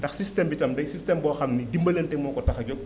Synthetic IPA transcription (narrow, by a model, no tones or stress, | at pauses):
tɐxsistɛmbitɐmdɐsistɛmbɔːxɐmnidimbɐlentɛmɔːkɔtɐxɐɟɔk̚